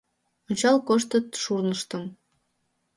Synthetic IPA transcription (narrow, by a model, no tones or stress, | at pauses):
onʲt͡ɕɑlkoʃt̪ət̪ʃurnəʃt̪əm